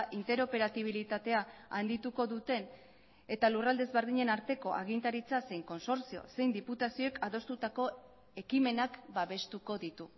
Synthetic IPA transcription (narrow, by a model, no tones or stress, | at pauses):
ʔint̪e̞ɾo̞pe̞ɾat̪iβ̞ilit̪at̪e̞aand̪it̪uko̞ðut̪e̞n | e̞t̪alurald̪e̞zβe̞ɾðiɲe̞naɾt̪e̞ko̞ʔa̰ɣ̞int̪aɾit͡sase̞jŋko̞nso̞ɾsio̞̰se̞jnd̪iput̪asio̞ekaðo̞st̪ut̪ako̞ | e̞kime̞nakbaβe̞st̪uko̞ðit̪u